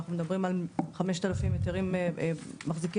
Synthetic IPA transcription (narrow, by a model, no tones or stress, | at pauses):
aχnumed̪abʁimalχame̞ʃt̪alafimjet̪eʁimemaχziki